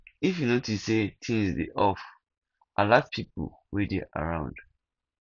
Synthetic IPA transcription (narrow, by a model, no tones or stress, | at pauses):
ifjunotisetʰĩŋsdḛʔɔf | alavpʰipo̰ | wɛdeʔa̰ɹãʊ̃nd̥